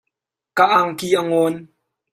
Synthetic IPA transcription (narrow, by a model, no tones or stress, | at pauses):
kaʔaŋkiʔaŋɔn